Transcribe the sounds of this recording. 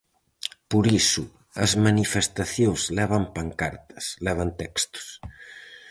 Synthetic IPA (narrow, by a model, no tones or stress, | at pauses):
puɾisu | ɐzmanifest̪aθjozlɛβɐmpaŋkaɾt̪ɐ̥slɛβ̞ant̪ɛkst̪u̥s